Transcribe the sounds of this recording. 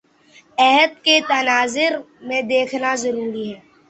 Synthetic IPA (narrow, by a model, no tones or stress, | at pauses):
ɛɦəd̪̚ket̪ɐnaːzɪɾ | mẽd̪eːkʰnazɐɾuːɾiɦɛː